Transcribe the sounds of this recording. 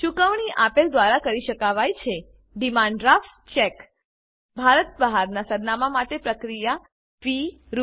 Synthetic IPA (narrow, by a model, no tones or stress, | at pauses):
ʃukəʋɳiʔapeld̪ʋaɾakəɾiʃəkaʋajt͡ʃʰe | ɖimãɳɖɾaf | t͡ʃek | bʱaɾət̪̚bəɦaɾnasəɾnamamaʈepɾəkɾija | fi | ɾ